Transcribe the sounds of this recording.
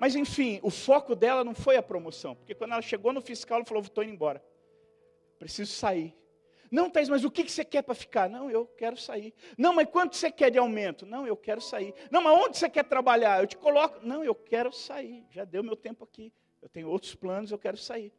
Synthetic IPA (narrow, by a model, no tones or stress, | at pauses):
mɐzẽfĩʊfɔkʊd̪ɛlɐnɐ̃w̃fojɐpɾomosɐ̃w̃poɾkekwɐ̃d̪ɛlɐʃeɡonʊfiskawlfalovot̪õinẽj̃bɔɾɐ | pɾesizʊsaiɾ | nɐ̃w̃t̪ãjzmɐzʊkɪkɪ̥sekɛpɾɐfi̥kaɾnɐ̃w̃ewkɛɾʊsaiɾnɐ̃w̃mɐskwɐ̃nt̪ʊsekɛɾd͡ʒɪawmẽnt̪ʊnɐ̃w̃ewkɛɾʊsainɐ̃w̃mɐzõnd͡ʒɪsekɛɾt̪ɾabaʎaɾewt͡ʃɪ̥kolɔkʊnɐ̃w̃ewkɛɾʊsaiɾʒad̪ewmewt̪ẽmpʊaki | ewt̪ẽɲ̃ʊowt̪ɾʊ̥splɐ̃nʊzewkɛɾʊsaiɾ